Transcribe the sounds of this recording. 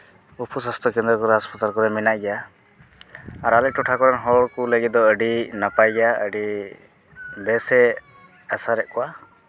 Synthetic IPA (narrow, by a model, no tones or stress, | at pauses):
upʰusast̪ʰɔkɛnd̪ɾɔkɔɾɛaspʰat̪alkɔɾɛmɛnaʔɡɛja | aɾalɛʈɔʈʰakɔɾanɦɔɽkuləɡit̪̚d̪ɔəɖinapajɡaə̰ɖi | bɛsɛ | asaɾɛʔkɔwa